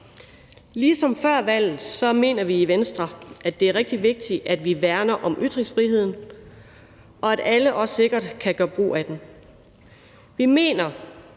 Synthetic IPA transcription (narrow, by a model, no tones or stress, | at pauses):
liːsɒ̽mfɶɐ̰ʋæl̰ð̩ˠsɒ̽me̝̰ːnɐʋiːʋensd̥ʁɐʔæd̥e̝æɐʁɛɡ̥d̥iʋe̝ɡ̥̚d̥iæd̥ʋiʋæɐnɐʔɒ̽mʔyd̥ʁiŋsfʁiɦe̝ð̞̰ˠn̩ | ʔɒ̽æɾ̥æləʔɒ̽sːe̝ɡ̥ɐd̥kʰæɡ̥ɶːɐb̥ʁo̝̰ːæd̥em | ʋime̝̰ːnɐ